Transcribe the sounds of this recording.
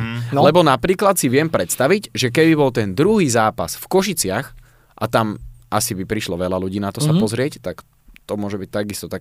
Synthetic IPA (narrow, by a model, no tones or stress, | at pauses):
lɛbɔnapɾiːklat̪siʋɪɛmpɾɛt̪st̪aʋiɟʒɛk̬ɛbibɔlt̪ɛnd̪ɾuɦiːzaːpa̰sfkɔʃit͡sɪax | ʔat̪amʔasibipɾiʃlɔʋɛlaluɟiːnat̪ɔsapɔzɾɪɛct̪ak | t̪ɔmʊɔʒɛbict̪aɡist̪ɔt̪ak